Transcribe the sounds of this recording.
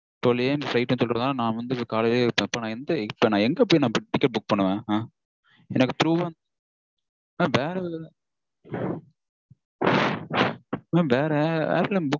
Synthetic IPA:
t̪ɔlːɪeːmflɐɪʈːɯnɯsɔlɾɐðaːnãːʋɐnd̪ɯkaːlɐlepːpːɐnãːɛnd̪ɐɪpːɐnãːɛŋɡɐpːɐːinãːɪʈɪkːɐʈ̚bʊk̚ːpɐɳːɯʋẽːa | ɛnːɐkːɯt̪ɾuːʋan | aʋeːɾ | aːʋeːɾɛʋḛːɾlɯbʊk

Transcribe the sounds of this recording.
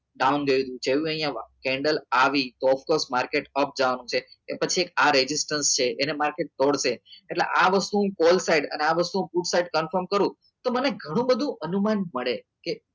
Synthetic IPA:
ɖaunɡəjud̪ũd͡ʒeʋũəɦijãkɛ̃ɳɖəlaʋit̪oɔfkoɾsmaɾkeʈəp̚d͡ʒaʋanũt͡ʃʰeepət͡ʃʰiekaɾed͡ʒɪsʈənst͡ʃʰeʔenemaɾkeʈ̚t̪oɽʃeeʈlḛʔaʋəst̪uũkolsaiɖə̰neaʋəst̪uũpuʈsaiɖkənfəɾmkəɾũ | t̪oməneɡʱəɽ̃ũbəd̪ʱũʔənumanməɭe | ke

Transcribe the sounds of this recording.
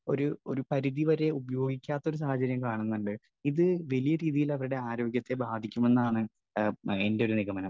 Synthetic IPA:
o̞ɾuo̞̰ɾupɐɾiðiʋɐɾe̞ubɐjo̞ːɡikʲːaːt̪ːɐo̞ɾus̬aːhɐt͡ɕɐɾjɐmkaːɳunːuɳɖɨ | iðɨʋɐlijɐɾiːðijilɐʋɐɾuɽe̞aːɾo̞ːɡjɐt̪ːe̞baːd̪ʱikʲːume̞nːaːɳɨ | e̞nde̞o̞ɾuniɣɐmɐnɐm

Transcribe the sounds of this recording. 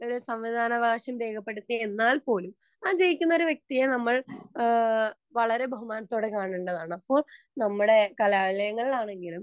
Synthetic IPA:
o̞ɾusɐmʋid̪ʱaːnɐbʱaːɕɐmbe̞ːkʰɐpːeɽut̪ːienːaːlpo̞ːlum | aːd͡ʑe̞jikʲːunːɐo̞ɾuʋjek̚t̪ijɐnɐmːɐɭ | ʋɐɭɐɾe̞bʱɐɦumaːnɐt̪ːo̞ːɽekaːɳuɳɖɐðaːɳɐpːo̞ːɭ | nɐmːuɽe̞kɐljaːɭilɐjɐŋːɐɭilaːɳe̞ŋɡilum

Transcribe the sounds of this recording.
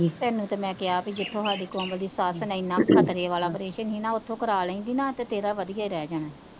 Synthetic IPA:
d͡ʒiːt̪ɛːnũːt̪emɛ̃ːkɪaːpid͡ʒɪt̪ʰːõːɦaːɽiːkõːmbəd̪iːsaːsənɛĩːnãːkʰət̪ɾeːʋaːlaːpɾeːʃənɦiːnãːʊt̪ʰːõːkəɾaːləĩːd̪iːnaːt̪eːt̪eːɾaːʋəd̪ijaːiːɾɛːd͡ʒaːnɛː

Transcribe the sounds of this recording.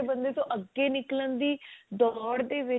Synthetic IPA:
bənd̪eːt̪õːʔəɡːeːnɪklənd̪iːd̪ɔːɽd̪eːʋɪ

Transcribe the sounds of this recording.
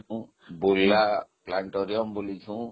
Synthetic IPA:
bulːaplaɳʈɔɾijɔmbulitʰũ

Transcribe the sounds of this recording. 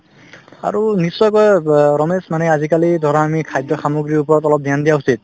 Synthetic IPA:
a̰ɹunisːɔjkɔjɹɔmesmanɛazikalidʱɔɹaamikʰajdɔxamoɡɹiɹupɔɹɔtɔlɔp̚d̪ʱjandijausit̪̚

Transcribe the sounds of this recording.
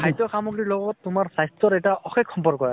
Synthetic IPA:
ajtɔxamɔɡiɹlɔɡɔtːʊmaɹsajssɔɾɛjtaʔɔxekʰːɔmpɔɹ̚kɔɹa

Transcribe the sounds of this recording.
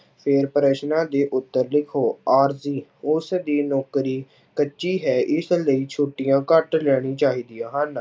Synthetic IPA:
pʰɪːɾpəɾeːʃnãːd̪eːʔʊt̪ːəɾlɪkʰoːaːɾziːʊsd̪iːnɔːkɾiː | kət͡ʃːʃiːɦɛːʔɪsləiːt͡ʃʰoːʈijãːkəʈlɛːɽ̃ĩːt͡ʃaːɦiːd̪ijãːɦən

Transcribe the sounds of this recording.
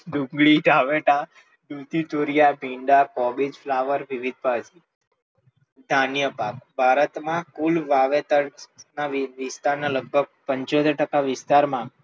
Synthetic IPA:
ɖũŋɡɭid̪ʱaʋeʈa | ɖut̪it̪oɾijabʱiɳɖakɔbid͡ʒflaʋəɾʋiʋid̪̚ʱbad͡ʒi | d̪ʱanjəpakbʱaɾət̪mãkulʋaʋet̪əɾnaʋʋɪst̪aɾnaləɡ̚bʱəɡ̚pəɲt͡ʃod̪əɾʈəkaʋɪst̪aɾmã

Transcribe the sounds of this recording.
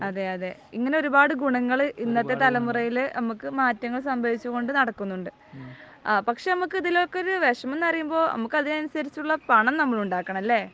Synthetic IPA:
ɐðe̞ɐðe̞iŋːɐne̞o̞ɾubaːɽɨɡuɳɐŋːɐɭʔinːɐt̪ːe̞t̪ɐlɐmurɐjilnɐmukːɨmaːtːɐŋːɐɭsɐmbʱɐʋit͡ɕːuɣo̞ɳɖɨnɐɽɐkːunːuɳɖɨ | pɐkʂe̞nɐmukːɨiðilokːeo̞ɾuʋeʂɐme̞nːɐrijumbo̞ːnʔɐ̰mukːɐðineɐnusɐɾit͡ɕːuuɭːɐpɐɳɐmnɐmːɐɭuɳɖaːkːɐɳɐmɐlːe̞ː

